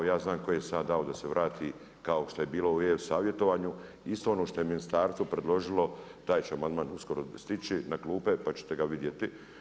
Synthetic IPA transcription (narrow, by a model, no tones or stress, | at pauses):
jaːznaːmkojesaːd̪d̪aod̪aseʋɾʔaːt̪ʰiː | kaoʃt̪oje̞biːlˠo̞uewsaːʋje̞t̪o̞ʋaːɲu | ist̪oonoːʃt̪ojeminist̪aːɾsupɾed̪lˠo̞ʒilˠo̞t̪aːjt͡ʃeamand̪maːnusko̞ɾost̪it͡ʃinakluːpe̞pat͡ɕe̥t̪e̞ɡaʋid̪jet̪i